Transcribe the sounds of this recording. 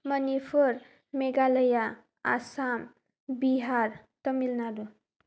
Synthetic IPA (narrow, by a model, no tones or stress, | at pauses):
mʌnipʰuɾ | meɡaləja | a̰sam | biɦaɾt̪ʌmilnaɾu